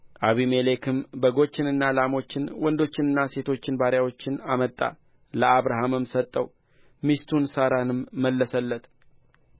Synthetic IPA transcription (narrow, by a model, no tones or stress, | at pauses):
ʔaβimelekʰɨmbəɡo̞t͡ʃːɪnɨnːalamo̞t͡ʃːɪnwɔnd̪o̞t͡ʃːɪnɨnːase̞t̪ʰot͡ʃːɪnbaɾjawo̞t͡ʃːɪnamət̪ʼːa̰ | ləaβɾaɦamɨmsət̪ʼːəw | mist̪ʰunsaɾanɨmːəlːəsəlːət̪